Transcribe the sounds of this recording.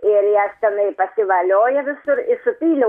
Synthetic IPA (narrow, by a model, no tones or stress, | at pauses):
ɪɾjɛst̪ʲɛnɐɪpɐsʲɪʋɐlʲoːjɛʋʲɪsʊɾɪsʊpʲiːlʲɛ